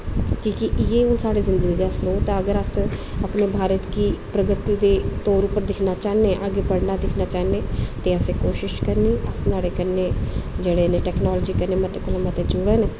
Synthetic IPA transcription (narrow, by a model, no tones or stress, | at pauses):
kiːkɪʔjeːʊ̃ːsaːɽeːzɪnd̪əɡiːɡaːsɾoːt̪aəɡəɾəs | aːpneːbʱaːɾət̪kiːpɾəɡət̪iːd̪eːt̪oːɾʊpəɾd̪ɪkʰnaːt͡ʃaːnẽːʔaɡeːpəɽnaːd̪ɪkʰnaːt͡ʃaːnẽːt̪eːəsẽːkoːʃɪʃkəɾniːəsnaːɽeːkəɾneːd͡ʒeːɽeːneːʈɛːknaːlːd͡ʒiːkəɾneːmət̪eːkʊlamət̪eːd͡ʒʊɽeːne